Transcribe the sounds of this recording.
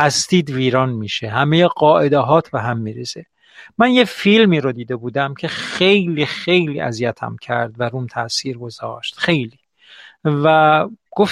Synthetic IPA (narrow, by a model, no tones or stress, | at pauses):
ʔæst̪iːd̪viːɾɒːnmiːʃeɦæmejeɢɒːʔed̪eɦɒːt̪ʰbeɦæmːiːɾeze | mænjefilmiːɾod̪iːd̪ebuːd̪æmcʰe̞xe̞jliːxe̞jliːʔæ̰zijæt̪ʰæ̰mcʰæ̰ɾd̪væɾuːmt̪ʰæsiːɾɡo̞zɒ̰ːʃt̪xe̞jliː | væɡ̥of